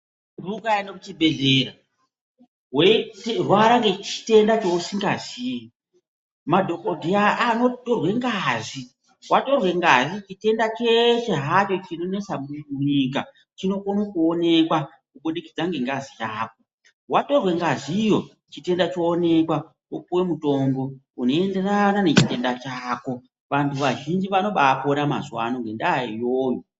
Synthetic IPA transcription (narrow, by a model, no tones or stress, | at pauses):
rukajanokut͡ʃibʱe̞ɮeːra | wetrwaɾaŋɡet͡ʃi̥te̞ndat͡ʃousiŋɡaziːjo | madʱokodʱiaano̞torwe̞ŋɡazi | wato̞rwe̞ŋɡaʐit͡ʃite̞ndat͡ʃe̞ʃe̞ɦato̞t͡ʃinone̞t͡samumuɲik̬a | t͡ʃino̞konokuone̞kwa | kuɓuɗikid͡zaŋɡe̞ŋɡazijaːk̚o | wato̞rwe̞ŋɡaziijo̞ | t͡ʃite̞ndat͡ʃo̞ːne̞kwa | okuwe̞muto̞mbo̞ | uno̞e̞nde̞ranane̞t͡ʃite̞ndat͡ʃaːko̞ | ʋantʰuʋaʒind͡ʒiʋano̞ɓaponama̰zwa̰noŋɡe̞ndaijoːjo